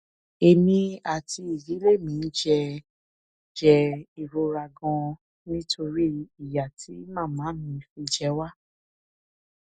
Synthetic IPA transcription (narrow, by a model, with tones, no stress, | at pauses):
e˧˨mĩ˧a˨tʰi˧i˨ɡi˨˦le˦˨mĩ˨˦n̩˦d͡ʒɛ˧ | d͡ʒɛ˧i˨ɾo˧ɾa˧ɡɔ̃˧ | nĩ˦tʰo˧ɾi˦i˨ja˨tʰi˨˦mãː˦˨mãː˨˦mĩ˧˦fĩ˧d͡ʒɛ˧˦wa˦